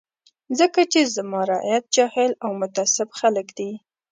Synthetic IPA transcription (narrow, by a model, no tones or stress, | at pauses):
zəkat͡ʃezəmɑɾɑ̰jat̪̚d͡ʒɑhɪlawmʊt̪ɑsɪbxaləkd̪i